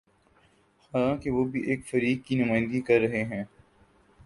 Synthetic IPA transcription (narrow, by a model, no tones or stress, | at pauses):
xaːlãːkeʋoːbʱiʔeːkfɐɾiːkkːinʊmaːɪ̃nd̪ɡikɐɾːɐɦeɦɛ̃ː